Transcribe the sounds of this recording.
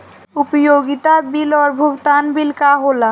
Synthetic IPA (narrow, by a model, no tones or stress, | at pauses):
upojoɡit̪abilɔɾbʱokt̪anbilkaɦola